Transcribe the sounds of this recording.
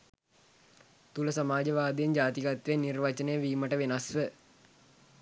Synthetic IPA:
t̪uləsamaːd͡ʒəʋaːd̪ejend͡ʒaːt̪iɡat̪ʋenirʋat͡ʃənəjəʋiːməʈəʋenasʋə

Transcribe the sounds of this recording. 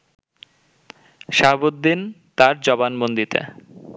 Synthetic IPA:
ʃaɦbod̪ːint̪aɾd͡ʑɔbanmond̪it̪ḛ

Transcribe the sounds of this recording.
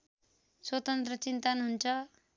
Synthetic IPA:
swʌt̪ʌnt̪rʌt͡sint̪anɦunt͡sʰʌ

